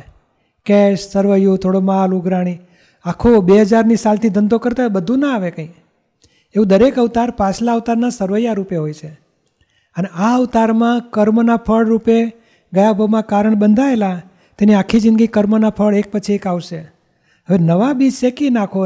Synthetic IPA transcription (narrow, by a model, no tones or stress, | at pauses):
kɛʃsəɾʋəjut̪ʰoɽomaluɡɾaɽ̃i | akʰobeɦəd͡ʒaɾnisalt̪ʰid̪ʱənd̪okəɾt̪aebəd̪ʱũnaaʋekə̃ĩ | eũd̪əɾekut̪aɾpãt͡ʃʰlaut̪aɾnasəɾʋəjaɾupeɦojt͡ʃʰe | əneaut̪aɾmãkəɾmənapʰəɭɾupe | ɡəjabʱəʋmãkaɾəɳbənd̪ʱaela | t̪eniakʰːid͡ʒɪ̃nɡikəɾmənapʰəɭek̚pət͡ʃʰiekaʋʃe | ɦəʋenəʋabid͡ʒsekinakʰo